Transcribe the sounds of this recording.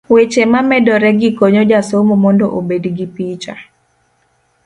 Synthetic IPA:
wet͡ʃemamɛdɔɾɛɡɪkoɲod͡ʒasomomɔndoʔobedɡipit͡ʃa̰

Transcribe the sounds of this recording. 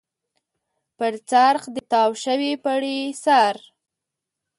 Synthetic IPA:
pəɾt͡saɾxd̪ət̪ɑwʃəwepaɽesaɾ

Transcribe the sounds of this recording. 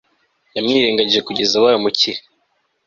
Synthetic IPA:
jamŋiːɾeːŋɡaɟiʒekuɟe̞zawaːjomuciɾi

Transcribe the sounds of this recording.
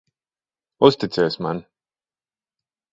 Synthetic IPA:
ust̪it̪sʲɛːsma̰n

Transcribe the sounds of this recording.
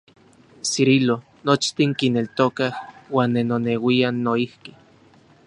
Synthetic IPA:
siɾilo | not͡ʃt̪iŋkinelt̪okahwaːnːenonewianːoihki

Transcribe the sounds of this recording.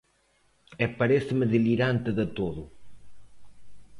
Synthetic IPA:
ɛpɐɾɛsɪmɪðiliɾant̪ɨðɪt̪oðʊ

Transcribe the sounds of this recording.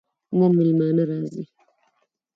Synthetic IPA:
mɔmilmanəɾazi

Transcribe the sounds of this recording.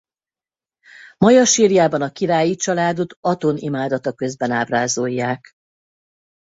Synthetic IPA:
mɒjɒʃiːɾijaːbɒnɒkiɾaːjit͡ʃɒlaːd̪o̞t̪ɒt̪onimaːd̪ɒt̪ɒkø̞zbɛnaːbraːzojːaːk

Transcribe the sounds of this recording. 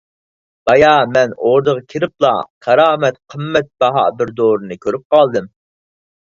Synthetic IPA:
b̥ɑjɑmɛnoɾd̪əʁɑkʲʰiɾɪp̚lˠɑ̰kʰɑɾɑːmɛt̪qʰəmːɛt̪̚bɑɦɑ̰bɪɾd̪oːɾɨnɨkʲʰøɾyp̚qɑlˠd̪ɨm

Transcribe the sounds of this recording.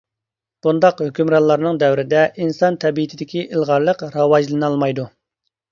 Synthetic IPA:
b̥und̪ɑqhøkʲymɾɑllˠɑɾnɨŋd̪ɛwɾɪd̪ɛʔinsɑnt̪ʰɛbiit̪ʰɪd̪ɪkʲʰiʔilˠʁɑɾlˠəqɾɑwɑd͡ʒlˠɨnɨɑlˠmɑjd̪u

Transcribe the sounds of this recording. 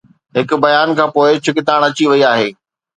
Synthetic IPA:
ɦɪkʊ̆bɐjaːnkʰãːpoːɪt͡ɕʰʊkɪt̪aːɽ̃ɐt͡ɕiʋɐiaːɦeː

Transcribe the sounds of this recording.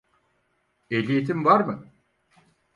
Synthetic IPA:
elʲijet̪ʰimvaɾmɯ

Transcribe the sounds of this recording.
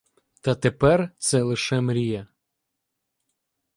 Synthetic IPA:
t̪ɐt̪epɛrt̪sɛlˠɪʃɛmɾʲijɛ

